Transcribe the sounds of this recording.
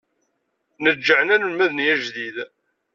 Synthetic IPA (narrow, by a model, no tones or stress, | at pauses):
nəd͡ʒːəʕənænəlmæðnijæʒðið